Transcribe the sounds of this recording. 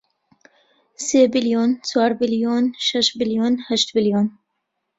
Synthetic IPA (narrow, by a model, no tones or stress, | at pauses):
seːbiljoːnt͡ʃʰɑːɾbiljoːnʃɛʃbiljoːnhɛʃt̪biljoːn